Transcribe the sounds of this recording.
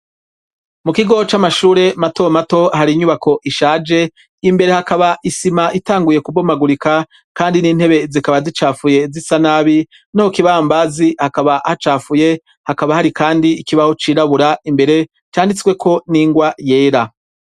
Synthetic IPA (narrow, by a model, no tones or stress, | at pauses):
mukiɡo̞t͡ʃamaʃuːɾe̞matomato̞haɾiɲuβako̞ʔiʃaːd͡ʒe̞ | imbe̞ɾe̞hakaβaʔisimaʔitaːŋɡuje̞kubomaɡuɾika | kaːndiniːn̥he̞βe̞zikaβazit͡ʃaːfuje̞zisanaβi | nahokiβahambazihakaβahat͡ʃaːfuje̞ | hakaβahaɾikaːndiːkiβaho̞t͡ʃiːɾaβuɾaimbe̞ɾe̞ | t͡ʃaːndit͡swe̞kʰo̞niːŋɡwaje̞ːɾa